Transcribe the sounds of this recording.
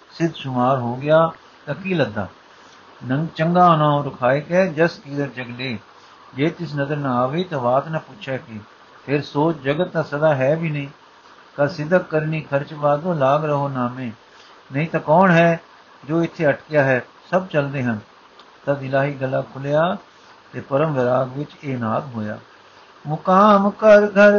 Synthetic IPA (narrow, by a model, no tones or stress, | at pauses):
sɪd̪ʃʊmaːɾɦoːɡɪjaː | t̪ãːkiːləd̪ːa̰ː | nəŋt͡ʃəŋɡaːnãːõːɾʊkʰaːikɛːd͡ʒəskiːd̪əɾd͡ʒəɡleː | d͡ʒeːt̪ɪs̬nəzəɾnãaːʋeːt̪ãːʋaːt̪nãːpuʃʰjaːkɪ | pʰɪɾsoːt͡ʃd͡ʒəɡət̪ːãːsəd̪aːɦɛːbiːnəĩː | kasɪd̪ʱəkːəɾniːkʰəɾt͡ʃbaːd̪õːlaːɡɾəɦoːnaːmẽː | nəĩːt̪ãːkɔːnɦɛː | d͡ʒoːɪt̪ʰːeːəʈkjaːɦɛː | səbt͡ʃəld̪eːɦən | t̪ad̪ɪlaːɦiːɡəlːaːkʰʊljaː | t̪eːpəɾəmʋɪɾaːɡʋɪt͡ʃeːnaːd̪ɦoːja̰ː | mʊkaːmkəɾɡəɾ